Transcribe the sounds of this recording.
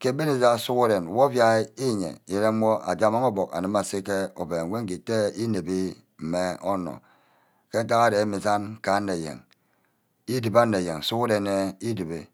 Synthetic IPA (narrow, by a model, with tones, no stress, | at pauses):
ke˦be˦ne˨za˦˨su˦ku˦de˨n˨wo˦vja˦i˦ɲḛ˨je˨ɾe˦mʷo˦ʔa̰˨d͡ʒa˦ma˦ŋo˦bo˨ka̰˨nɨ˦ma˨si˦ke˦o˨be˨ŋ˦we˦ŋ̩˦ki˨te˦i˦ne˨bi˦ | m̩˨me˦o˦nɔ̰˨ | ke˦n̩˦ta˦ka˦de˨˦mi˨za˦nka˨˦nːe˨jḛ˨ŋ | i˦di˨ba˦nːe˨je˨ŋ˨su˦ku˦de˨ne˦i˦di˨be˨